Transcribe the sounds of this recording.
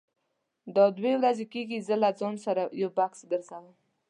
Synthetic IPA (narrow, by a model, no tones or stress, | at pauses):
d̪ɑd̪wewɾazekeɡizəlad͡zɑnsaɾajawbaksɡəɾzawam